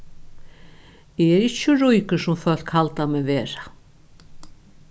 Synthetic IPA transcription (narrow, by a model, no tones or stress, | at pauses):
ɛɛɾɪt͡ɕːəɾujkʏsʊmfœl̥khalt̪amɛvɛːɾa